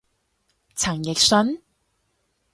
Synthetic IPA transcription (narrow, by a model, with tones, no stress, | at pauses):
t͡sʰɐ˨˩ŋjɪ˨k̚sɵ˨˥n